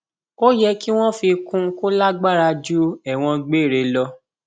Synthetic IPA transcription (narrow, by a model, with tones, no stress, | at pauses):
o˦jɛ˧ki˦w̃ɔ̃˦fi˧kũ˧ko˦la˦ɡ͡ba˦ɾa˧d͡ʒu˦ɛ˦˨w̃ɔ̃˧ɡ͡be˦˨ɾe˨˧lɔ˧